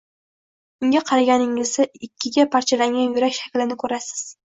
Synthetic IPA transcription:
ʊŋɡʲaqʰɑɾaɡʲanɪŋɪzɪɪkʲʰːɪɡʲapʰaɾt͡ʃʰalaŋʲanjʊɾakʲʃakʲlɪnɪkʰɵɾasɪ̥z̥

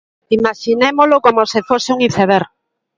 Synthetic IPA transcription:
imaʃinemolokomosefoseuŋiθeβeɾ

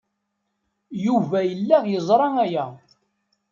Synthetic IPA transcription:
juvæjəlːæjəzˤɾˤɑæjæ

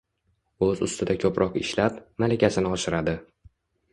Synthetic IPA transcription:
ɵzʊ̰st̪ʰɪd̪akʲʰɵpɾʔɒqɪʃlat̪malakʲasɪnɪɒʃɪɾad̪ɪ

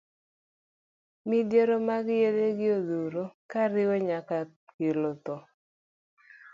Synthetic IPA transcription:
midjeɾomaɡjedeɡɪoðuɾokaɾɪwɔɲaka | kelot̪ɔ

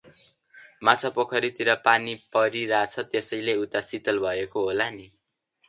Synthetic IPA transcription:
mat͡sʰʌpokʰʌɾit̪iɾʌpanipʌɾiɾat͡sʰʌt̪esʌjleut̪asit̪ʌlbʱʌekoɦolani

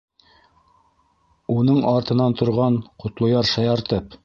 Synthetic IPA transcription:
unɤɴɑɾt̪ɤ̆nɑnt̪ʰŏɾʁɑɴqŏt̪lˠŏjɑɾʃɑjɑɾt̪ɤp

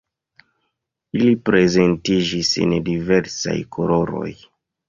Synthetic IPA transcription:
ilipɾe̞ze̞ntid͡ʒisḛndive̞ɾsa̰jkʰolo̞ɾo̞̰j

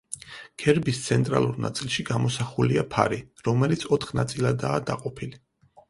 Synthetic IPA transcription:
ɡ̥ɛɾbist̪sʰɛnt̪ʼɾa̰lˠuɾna̰t̪sʼilˠʃiɡamɔsaχuliapʰa̰ɾiɾɔmɛlit̪sʰɔt̪ʰχnat̪sʼilˠad̪aːd̪aqʼɔpʰili

